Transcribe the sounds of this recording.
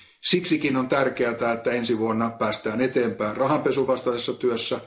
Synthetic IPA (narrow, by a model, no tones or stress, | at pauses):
siksikinont̪ærkeæt̪æet̪ːæensiʋuonːɑpæːst̪æːnet̪eːmpæːnrɑɦɑmpesuʋɑst̪ɑsesːɑt̪yøsːæ